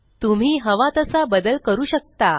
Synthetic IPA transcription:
t̪um̤iːɦəʋat̪əsabəd̪əlkəɾuːɕək̚t̪a

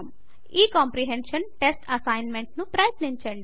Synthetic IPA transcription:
m | iːkɔːmpɾiɦenʃənʈesʈɐsajnmeɳʈnũpɾajt̪lint͡ʃeɳɖ

